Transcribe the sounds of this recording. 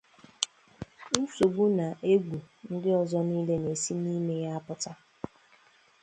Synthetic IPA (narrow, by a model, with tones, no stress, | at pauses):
n̩˦so˨ɡ͡bu˦na˨ʔe˦ɡʷu˨ | n̩˦dɪ˦ɔ˨zɔ˦niː˦le˦ne˨si˦ni˦me˦ja˦pʊ˦ta˦